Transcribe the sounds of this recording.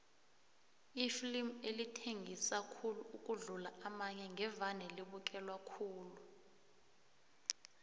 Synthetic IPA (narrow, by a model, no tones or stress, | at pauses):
ifilimelitʰeŋisakʰuluuk̬ʼuɮulaamaɲɛŋʱɛvanɛliɓuk̬ʼɛlwakʰuːlu